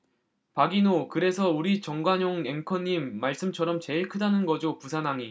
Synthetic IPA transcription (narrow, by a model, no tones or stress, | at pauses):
paɡinokɯɾe̞sʰʌuɾit͡ɕʌŋɡwaɲoŋe̞ŋkʰʌɲːimːaɭs͈ɯmt͡ɕʰʌɾʌmt͡ɕe̞ɭkʰɯdanɯnɡʌd͡ʑopusʰanaŋi